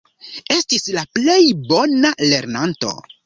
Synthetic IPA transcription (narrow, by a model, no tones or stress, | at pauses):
e̞stislaple̞jbo̞nale̞ɾnanto̞̰